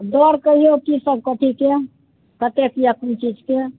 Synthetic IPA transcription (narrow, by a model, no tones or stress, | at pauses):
d̪ɔɾkəɦiokisəb̚ʱkəʈʰike | kət̪ekjakunt͡ʃid͡ʒke